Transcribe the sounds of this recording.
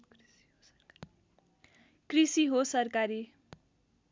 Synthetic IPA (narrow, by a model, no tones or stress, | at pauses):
krisiɦosʌrkaɾi